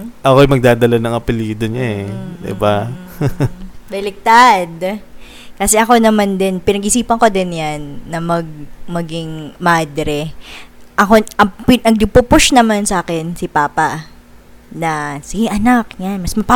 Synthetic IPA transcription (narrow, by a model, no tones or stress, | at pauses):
ʔɐkoɐjmɐɡ̚d̪aːd̪ɐlanɐŋɐpɪliːd̪oɲaɛd̪ɪ̰ba | d̪ɪlɪk̚t̪ad̪ | kɐsɛʔɐko̞nɐmand̪ɛnpɪnɐɡʔɪsiːpɐŋko̞d̪ɪnjanːɐmɐɡ̚mɐɡiŋmaːd̪ɾɛ | ʔɐko̞ʔɐpɪnɐɡ̚d̪ʊpʊpʊʃnɐmansɐʔaːkɛnsɪpaːpɐ | nɐsɪʔɐnakjanmɐsmɐpa